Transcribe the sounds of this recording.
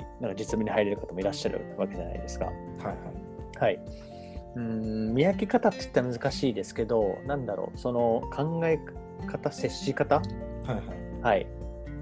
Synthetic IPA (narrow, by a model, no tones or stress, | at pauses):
nãŋkad͡ʑit͡sɨmʲeɲ̟ʲihaiɾe̞ɾɯ̟kat̪amo̞iɾaɕːaɾɯ̟̰βake̞ʑana̰id̪e̞sɨ̥ka̰ | haha | hai | ɯ̟̃mʲijakʲikat̪at̪ːi̥t̪ːemɯ̟zɨkaɕiːd̪e̞sɨ̥ke̞d̪o̞nãnd̪aɾo̞̰ːso̞no̞kʰãŋɡae̞ | kat̪ase̞ɕːikat̪ahaha | hai